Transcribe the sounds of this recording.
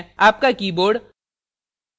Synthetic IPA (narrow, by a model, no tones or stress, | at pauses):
aːp̚kakiːboːɖ